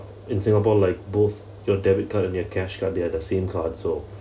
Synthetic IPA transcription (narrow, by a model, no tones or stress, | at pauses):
ɪ̃nsɪ̃ŋapɔlaɪk̚boθ | jɔdɛbit̚kʰatɛ̃njɔkʰɛʃkʰadɛdəsẽmkʰadso